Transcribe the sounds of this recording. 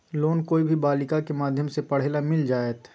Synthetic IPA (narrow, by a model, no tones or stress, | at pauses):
loːnkoːibʱibaːlɪkakemaːd̪ʱjəmsepɐɽ̤ɦelamɪld͡ʒaːeːt̪